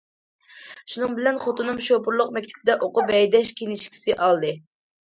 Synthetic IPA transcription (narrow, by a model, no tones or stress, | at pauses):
ʃunɨŋbɪlɛnχot̪unɨmʃopʰʊɾlˠʊqmɛk̚ʲt̪ʰɪ̥p̚d̪ɛʔoqʊbɛjd̪ɛʃkʲʰenɪʃkʲʰi̥sɪʔɑlˠd̪ɨ